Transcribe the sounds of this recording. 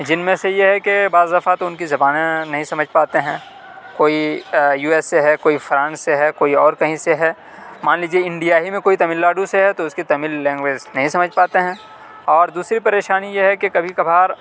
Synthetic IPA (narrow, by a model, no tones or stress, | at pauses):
d͡ʒɪnmẽsejeɦɛkebaːzd̪ɐfat̪oʊnkizɐbaːnẽnɐɦĩsɐməd͡ʒʱpaːt̪eɦɛ̃ː | koːijuːɛːsːeɦɛkoːifɾãːnsːeɦɛkoːiɔːɾkɐɦĩseɦɛː | maːnliːd͡ʒieɪ̃ɳɖijaːɦimẽkoːit̪ɐmiːlːaːɖuseɦɛt̪oʊskit̪ɐmiːlːɛ̃ːŋɡʋeːd͡ʒnɐɦĩsɐməd͡ʒʱpaːt̪eɦɛ̃ː | ɔːɾd̪uːsɾipɐɾeːʃaːnijeɦɛkekɐbʱikɐbʱaːɾ